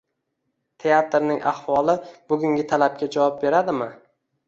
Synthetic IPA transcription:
t̪ʰe̞at̪ɾnɪŋʔa̰hvɒlˠɪb̥ʊɡʲʊŋɡʲɪt̪ʰalap̚kʲad͡ʒavɒp̚be̞ɾad̪ɪmɪ

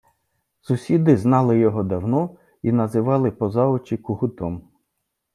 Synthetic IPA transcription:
sʊsʲid̪ɪznɑlˠɪjɔɦɔd̪ɐwnɔ | inɐzɪʋɑlˠɪpɔzɑɔt͡ʃikʊɦʊt̪ɔm

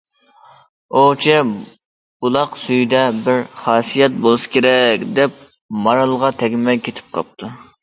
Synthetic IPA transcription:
ot͡ʃʰɛ | b̥ulˠɑqsyjd̪ɛbɪɾχɑːsijɛt̪̚bolˠɨskʲeɾɛkʲd̪ɛp̚ | mɑɾɑlˠʁɑt̪ʰɛɡʲmɛkʲʰet̪ʰɪ̥p̚qʰɑ̰p̚t̪ʰu

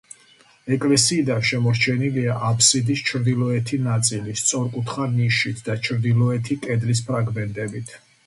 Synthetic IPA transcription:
ɛkʼlɛsiːd̪anʃɛmɔt͡ʃʰɛniliaʔapʰsid̪ist͡ʃʰɾd̪ilˠɔɛt̪ʰinat̪sʼilist̪sʼɔɾkʼut̪ʰχaniʃit̪ʰd̪at͡ʃʰɾd̪ilˠɔɛt̪ʰikʼɛd̪lis̬pʰɾaɡmɛnt̪ʼɛbit̪ʰ

